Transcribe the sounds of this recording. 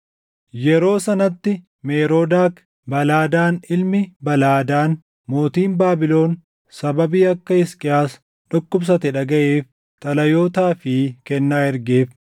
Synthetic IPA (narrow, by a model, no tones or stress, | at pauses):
jɛɾo̞ːsɐnɐt̪ːɪ | meːɾo̞ːd̪aːk | bɐlaːd̪aːnɪlmɪbɐlaːd̪aːn | mo̞ːt̪iːnbaːbɪlo̞ːn | sɐbɐbiːɐkːɐɪskʼɪaːs | ᶑɔkːʊbs̬ɐt̪ɛᶑɐɡɐʔeːf | t̪ʼɐlɐjo̞ːt̪aːfɪkɛnːaːɪɾɡeːf